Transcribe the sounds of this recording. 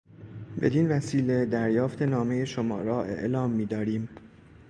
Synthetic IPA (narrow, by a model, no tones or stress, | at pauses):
be̞̰d̪invæsiːle̞d̪æɾjɒːft̪ʰe̞nɒːme̞je̞ʃomɒ̰ːɾɒːʔe̞̰ʔlɒːmːiːd̪ɒːɾiːm